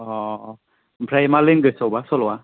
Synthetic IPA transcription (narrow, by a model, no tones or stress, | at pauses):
ɔ | bʰʱɾajmaliŋɡɯsɔwbasɔlɔwa